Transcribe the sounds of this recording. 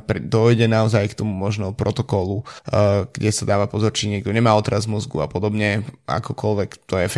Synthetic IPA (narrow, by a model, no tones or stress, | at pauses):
pɾid̪ɔjɟɛnaɔzajkt̪ɔmumɔʒnɛɔpɾʔɔt̪ɔkɔlu | ɡ̥ɟɛsad̪aːʋapɔzɔɾt͡ʃiɲɛɡ̚d̪ɔɲɛmaːɔt̪ɾazmɔzɡṵa̰pɔd̪ɔbɲɛa̰kɔkɔlʋɛkt̪ɔjɛf